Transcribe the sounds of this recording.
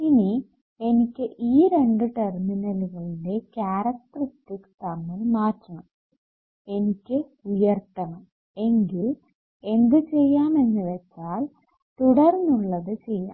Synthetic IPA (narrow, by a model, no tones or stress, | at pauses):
ini | e̞nikʲːɨʔiːɾe̞ɳɖɨʈerminɐluɣɐɭinde̞kaːɾɐk̚t̪rɐt̪ːikt̪ʰɐmːɐlmaːkːɐɳɐm | e̞nikʲːɨujɐrt̪ːɐɳɐm | e̞ŋɡil | e̞nd̪ɨt͡ɕe̞jːaːme̞nːɨʋet͡ɕːaːl | t̪uɽɐrnːuɭːɐðɨt͡ɕe̞jːa̰ː